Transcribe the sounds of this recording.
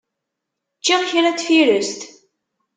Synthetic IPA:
t͡ʃːiʁçɾæt͡sfiɾəst̪

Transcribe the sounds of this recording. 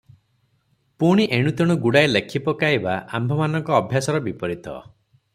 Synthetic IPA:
puɽ̃iʔeɽ̃ut̪ɔɽ̃uɡuɽajlekʰipɔkaibaʔa̰mbʱɔmanɔŋkɔːbʱjasɔɾɔbipɔɾit̪ʰɔ̰

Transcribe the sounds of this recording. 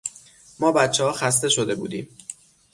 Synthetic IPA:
mɒːbæt̪t͡ʃʰːehɒːxæs̬t̪e̞ʃo̞d̪e̞bṵːd̪ḭːm

